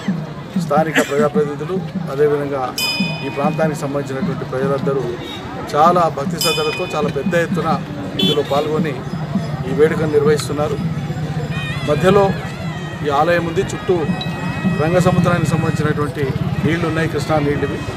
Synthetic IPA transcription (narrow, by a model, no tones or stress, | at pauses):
st̪ʰaːnikɐpɾɐd͡ʒaːpɾɐd̪id̪uluɐd̪e̞ːʋid̪ʱɐŋɡaːiːpɾaːnt̪̬aːnikisɐmbɐnit͡ʃinɐʈuʋɐɳʈipɾɐd͡ʒɐlɐnd̪ɐɾu | t͡ʃaːlaːbʱɐk̚t̪isɐd̪ʱɐlɐt̪o̞ːt͡ʃaːlaːpɛd̪ːɐjet̪ːunɐ | ind̪ulo̞ːpaːlɡo̞niː | ʋeːɽuk̬ɐnuniɾʋɐɦist̪unːaːɾu | mɐd̪ʱjɐlo̞ː | iːaːlɐjɐmːund̪it͡ʃuʈːu | ɾɐŋɡɐs̬ɐmut̪ːɾaːnikis̬ɐmbɐnd̪it͡ʃinɐʈuʋɐɳʈiniːɭlunːaːjikɾiʂɳɐniːlːidi